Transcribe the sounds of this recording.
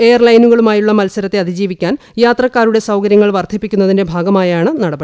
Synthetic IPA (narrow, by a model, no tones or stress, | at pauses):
e̞jɐrlɐjnuɣɐɭumaːjuɭːɐmɐlsɐɾɐt̪ːeɐd̪ʱid͡ʑiːʋikʲːaːn | jaːt̪rɐkːaːɾuɽe̞sɐwkɐɾjɐŋːɐɭʋɐrt̪ʰːipːikʲːunːɐðinde̞bʱaːɡɐmaːjaːɳɨnɐɽɐbɐ